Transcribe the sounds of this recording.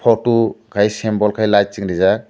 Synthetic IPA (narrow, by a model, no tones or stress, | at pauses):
pʰɔtukʰajsɛmbɔlkʰajlat͡ʃiŋɾiza